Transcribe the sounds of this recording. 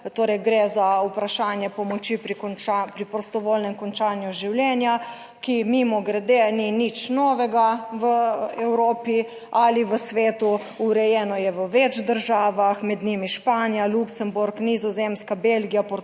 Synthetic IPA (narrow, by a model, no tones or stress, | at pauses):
t̪oːɾɛjɡɾezaupɾaʃaːnjɛpɔmɔt͡ʃipɾikapɾipɾɔst̪ɔʋoːlnɛmkɔnt͡ʃaːnjuʒiwljɛːnja | kimimɔɡɾɛd̪eninit͡ʃnɔːʋɛɡaʋəɛwɾoːpi | aliʋəsʋeːt̪u | uɾɛjɛːnɔjɛʋəʋɛt͡ʃd̪əɾʒaːʋaxmɛd̪nimiʃpaːnijaluksɛmbuɾknizɔzeːmskabelɡijapɔɾ